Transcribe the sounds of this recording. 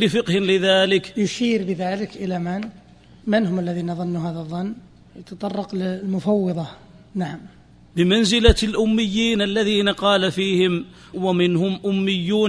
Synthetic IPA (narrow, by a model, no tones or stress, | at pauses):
lɪfɪqhɪnlɪðaːlɪkjʊʃiːɾbəðaːlɪkʔəlaman | mɪnɦʊməlːæðiːnaðˤɑnːuɦaːðəðˤːɑnː | jət̪ɑt̪ˤɑrˤːɑqllmʊfɑwːɑðˤɑ | naʕam | bɪmanzɪlalʔʊmːɪjːiːnalːæðiːnaqɑːlafiːhɪm | wamɪnhʊmʔʊmːɪjːuːn